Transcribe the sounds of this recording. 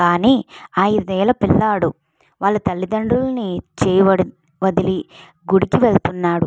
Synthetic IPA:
kaːniːaːjiɾd̪ɛːlɐpilːaːɽu | ʋaːlːɐt̪ɐlːid̪ɐɳɖulɐnit͡ʃɛːjʋɐɽ | ʋɐd̪ili | ɡuɽikiʋelt̪unːaːɽu

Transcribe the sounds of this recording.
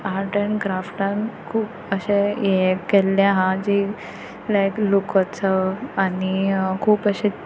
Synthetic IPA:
aɾʈəɳɡɾafʈãnkʰuːp | əɕejekelːjãɦãd͡ʑi | lajklukət͡səanikʰuːpəɕe

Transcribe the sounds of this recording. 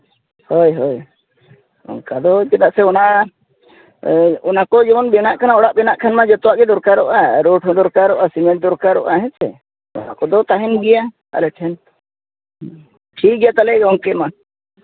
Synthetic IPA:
hojɦɔj | ɔ̰ŋkad̪ɔkɛt̪aʔsɛɔna | ɔnakɔd͡ʒɔmɔnbɛnaʔkʰanaɔɽaʔbɛnaʔkʰanmad͡ʒɔt̪ɔwaʔɡɛd̪ɔɾkaɾɔʔaɾoʈʰɔd̪ɔɾkaɾɔʔasimɛʈ̚d̪ɔɾkaɾɔ̰ʔaɦɛ̃t͡ʃɛ̰ | ɔ̰na̰kɔd̪ɔt̪aɦɛnɡɛja | a̰lɛʈʰɛn | ʈʰik̚ɡɛjat̪alɛɡɔŋkɛma

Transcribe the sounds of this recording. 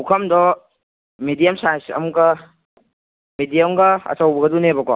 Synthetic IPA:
ukʰɐmdɔ | midijɐmsansɐ̰mkɐ | midijɐmɡɐɐ̰sawbɐɡɐdunebɐkɔ̰

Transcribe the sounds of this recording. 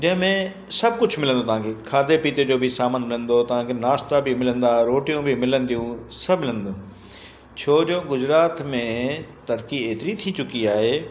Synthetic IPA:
d͡ʑɐ̃ɦɪ̃mẽ | sɐb̚ʱkʊd͡ʑʱmɪlə̃nd̪ot̪ɐʋ̤ãːkʰeːkʰaːd̪epiːt̪ed͡ʑoːbʱɪisaːmənmɪlə̃nd̪ot̪ɐʋ̤ãːkʰenaːst̪abʱimɪlə̃nd̪aːɾoːʈijũbʱimɪlənd̪ijũsɐbmɪlə̃nd̪oː | t͡ɕʰoːd͡ʑoːɡʊzɾaːt̪mẽt̪ɐɾkieːt̪ɪɾit̪ʰit͡ɕʊkiaːɦeː

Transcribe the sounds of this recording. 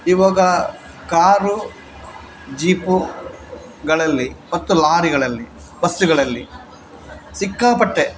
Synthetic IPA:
iʋaːɡɐ | kaːɾu | d͡ʒiːpu | ɡɐɭɐlːimɐt̪ːulaːɾiɡɐɭɐlːi | bɐst̪uɡɐɭɐlːḭ | sikːaːpɐʈːe

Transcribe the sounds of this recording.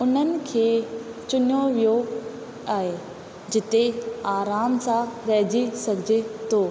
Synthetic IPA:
ʊn̤ənɪ̆kʰeːt͡ɕʊnjoʋijo | aːɦe | d͡ʑɪt̪eaːɾaːmsãɾɐɦd͡ʑisɐɡʱɪd͡ʑet̪ʰoː

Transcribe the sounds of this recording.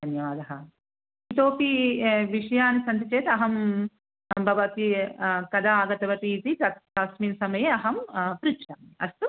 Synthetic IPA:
d̪ɐnjɐʋaːd̪ɐɦɐ | it̪oːpiʋiʂɐjaːnisɐnt̪it͡ʃeːt̪ɐɦɐm | bʱɐʋɐt̪ikɐd̪aaːɡɐt̪ɐʋɐʈiːt̪ikɐt̪kaːsmiːnsɐmɐjeɐɦɐmpɾitːt͡ʃaːniɐst̪u

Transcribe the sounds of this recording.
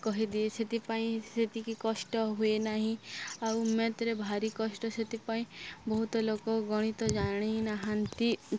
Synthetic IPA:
kɔɦid̪ieset̪ipaĩset̪ikikɔsʈɔɦuenaɦĩawmet̪ɾebʱaɾikɔsʈɔset̪ipaĩbɔɦut̪ɔlokɔɡɔɽ̃it̪ɔd͡ʒaɽ̃inaɦant̪i

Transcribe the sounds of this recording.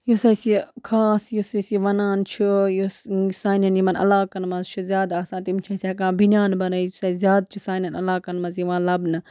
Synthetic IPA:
josɐsikʰaːsjosɐsiʋɐnaːnt͡ʃʰujosaːnɐnjimɐnɐ̰laːkɐnmɐzt͡ʃʰuzjaːd̪aːsãːt̪imt͡ʃʰɐsiɐkãːbʱinjaːnbɐnɐisaizjaːd̪̚t͡ʃʰusaːnɐnɐlaːkɐnmɐzjiʋãːlɐbnɨ

